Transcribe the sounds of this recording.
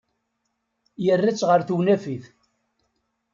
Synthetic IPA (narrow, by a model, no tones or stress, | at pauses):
jərːit͡sːʁəɾθuwnæfiθ